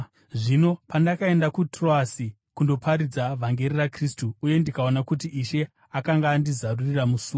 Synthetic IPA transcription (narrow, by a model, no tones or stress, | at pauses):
ʐino̞pandakae̞ndakutro̞asi | kundo̞pʰaɾid͡zavʱaŋɡe̞rirakristuːje̞ndikao̞nakutiʔiʃe̞ | akaŋɡaːndizaruriramusuːa